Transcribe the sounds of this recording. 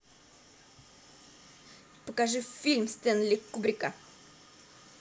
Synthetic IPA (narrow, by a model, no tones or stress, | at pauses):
pəkaʐɨfʲilʲmst̪ɛnlʲikːubɾʲɪkə